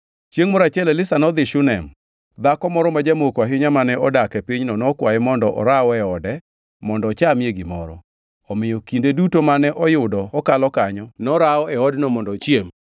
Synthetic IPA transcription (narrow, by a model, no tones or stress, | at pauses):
t͡ʃjeŋmɔɾat͡ʃɛlɛlɪsanɔd̪ɪʃʊnɛm | d̪akɔmɔɾɔmad͡ʒamokwaɦɪɲamanɛɔdakɛpiɲnɔnɔkwajɛmɔndɔʔɔ̰ɾaɔɛɔdɛ | mɔndɔt͡ʃamjeɡimɔ̰ɾɔ̰ | ɔmɪjɔkindedutomanɛʔɔjʊdɔɔkalɔkaɲɔnɔɾaɔɛɔdnɔmɔndɔt͡ʃjem